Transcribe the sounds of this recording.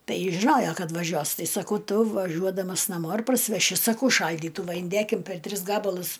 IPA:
ˈtɐɪ jɪs ʒʲɪˈnoːjoː ˈkɐt ʋɐˈʒʲuɔs ˈtɐɪ sɐˈkɐʊ ˈtʊ ʋɐˈʒʲuɔdɐmɐs nɐˈmoː ɪr pɐrʲsʲɪʋʲɛˈʃʲɪ sɐˈkɐʊ ˈʃɐlʲdʲiːtuː ʋɐ ɪnʲˈdʲeːkʲɪm pʲɛr ˈtʲrʲɪs ˈɡɑːbɐlˠʊs

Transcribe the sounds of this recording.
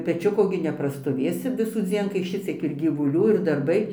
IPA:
pʲɛˈt͡ʃʲʊkoː ɡʲɪ nʲɛprɐstoːˈʋʲeːsʲɪ ʋʲɪsuːˈd͡zʲiɛn kɐɪ ˈʃʲɪt͡sʲiɛk ɪr ɡʲiːʋʊˈlʲuː ɪr dɐrˈbɐɪ

